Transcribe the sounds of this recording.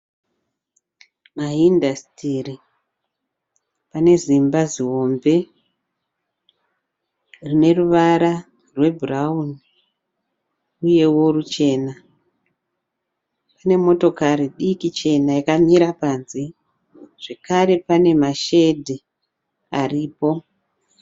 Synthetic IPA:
maɦindastiri | pane̞zimbaziɦo̞mbe̞ | rine̞ruʋaɾa | rwe̞bʱurauni | uje̞wo̞ɾut͡ʃe̞na | pane̞mo̞to̞kaɾiɗikit͡ʃe̞najakamiɾapanzi | ʐ̥e̞kaɾe̞pane̞maʃe̞dʱi | ariːpo̞

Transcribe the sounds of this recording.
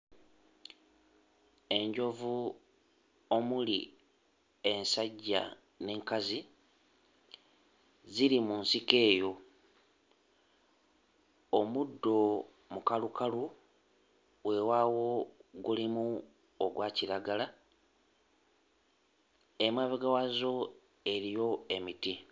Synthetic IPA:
e̞ɲɟo̞vu | o̞mulḭ | e̞nsaɟːa̰ | ne̞ːŋkazi | ziɾimunsike̞ːjo̞ | omudːo̞ | mukalukalu | we̞waːwo̞ɡulimu | oɡwaːciɾaɡala | emwaβeɡawazo̞ | e̞ɾijo̞e̞miti

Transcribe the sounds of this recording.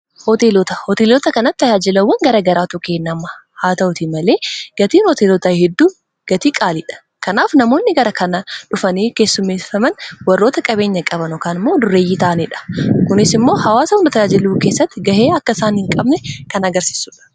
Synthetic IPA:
hɔt̪eːloːt̪ɐhɔt̪eːloːt̪ɐkɐnɐt̪ːɐd͡ʒaːd͡ʒɪlɐwːɐŋɡɐɾɐɡɐɾaːt̪ʊkeːnːɐmɐ | haːt̪ɐʔʊt̪iːmɐle̞ːɡ̥ɐt̪iːnhɔt̪eːloːt̪ɐhɛd̪ːuː | ɡ̥ɐt̪iːkʼaːliːᶑɐ̥ | kɐnaːfnɐmo̞ːnːɪɡɐɾɐkɐnɐᶑʊfɐniːke̞ːsːʊmːeːfɐmɐnwɐrːo̞ːt̪ɐkʼɐbe̞ːɲːɐkʼɐbɐnɔkaːnɪmːo̞ːd̪ʊɾe̞ːjit̪aːnɛᶑɐ̥kʊnɪsɪmːo̞ːhɐwaːsɐhʊnɐt̪ɐd͡ʒaːd͡ʒɪluːke̞ːsːɐt̪ːɪɡɐheːɐkːɐɪsaːnhɪŋkʼɐbnɛkɐnɐɡɐɾsi̥ːsʊᶑɐ̥

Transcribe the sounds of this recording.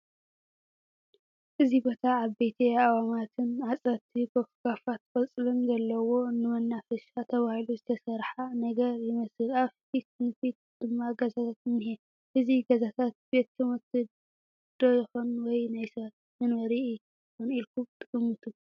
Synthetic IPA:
ʔɨzibo̞t̪ʰaːβejt̪ʰiawamat̪ʰɨnʕat͡sʼɐt̪ʰːibofɡafat̪kʼɐt͡sʼɨlɨnzɐlːɐwo̞nɨmɐnːafɐʃat̪ʰɐβahiluzɨt̪ʰɐsɐɾħanɐɡɐɾjɪmɐsɨlaβfit̪̚nɨfit̪̚d̪̥ɨmːaɡɐzat̪ʰat̪ɨnːɨɦe | ʔɨziɡɐzat̪ʰat̪̚be̞t̪ːʰɨmɨt̪ʰɨ | d̪̥o̞jɪxonwɔjnajsɐ | mɨnwɐɾi | konilkʰumt̪ʼɨɨmɨt̪ʰu

